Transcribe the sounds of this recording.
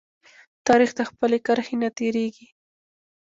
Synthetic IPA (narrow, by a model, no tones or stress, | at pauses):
t̪aɾɪxt̪axpəlekəɾxenat̪eɾeɡi